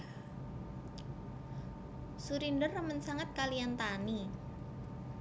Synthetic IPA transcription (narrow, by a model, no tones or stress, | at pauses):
suɾindərəmənsaŋat̪̚kalijant̪ani